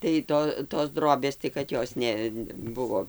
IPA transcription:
tɐɪ ˈtoː toːs ˈdroːbʲeːs tɐɪ kɐt ˈjoːs nʲɛˈbʊʋoː

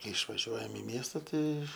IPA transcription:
ˈkɐɪ ɪʃʋɐˈʒʲuɔjɛm ɪ ˈmʲiɛstɐ ˈtɐɪ

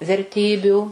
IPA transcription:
ʋʲɛrʲˈtʲiːbʲuː

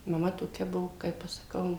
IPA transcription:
mɐˈmɐ toːˈkʲɛ ˈbʊʋoː ˈkɐɪp ɐʃ sɐˈkɐʊ

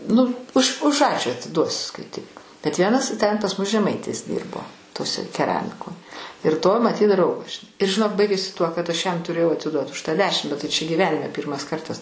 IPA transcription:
ˈnʊ ʊʃ ʊʃ ˈɑːt͡ʃʲuː ɐtʲɪˈduɔsʲʊ skɐɪˈtʲɪk bʲɛt ˈʋʲiɛnɐs tʲɛn pɐs ˈmʊs ʒʲɛˈmɐɪtʲɪs ˈdʲiːrboː toːˈsʲɛ kʲɛˈrɑːmʲɪkoː ɪr toː mɐˈtʲiːt ˈdrɐʊɡɐs ʒʲɪˈnɐɪ ɪr ʒʲɪˈnoːk bɐɪɡʲeːsʲɪ tuɔ kɐt ˈɐʃ ˈjɛm tʊˈrʲeːjɛʊ ɐtʲɪˈduɔt ʊʃ ˈtɑː ˈdʲæːʃʲɪm bʲɛt tɐɪ ˈt͡ʃʲɛ ɡʲiːˈʋʲæːnʲɪmʲɛ ˈpʲiːrmɐs ˈkɐrtɐs

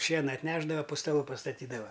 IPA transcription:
ˈʃʲiɛnɐ ɐtʲˈnʲæːʒdɐʋɐ pʊ stɐˈlˠʊ pɐstɐˈtʲiːdɐʋɐ

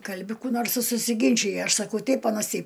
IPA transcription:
ˈkɐlʲbʲɪ ˈkuː noːrs ɪ sʊsʲɪˈɡʲɪnʲt͡ʃʲɪjɛ ˈɐʃ sɐˈkɐʊ ˈtʲɛɪp ˈɑːnɐs ˈtʲɛɪp

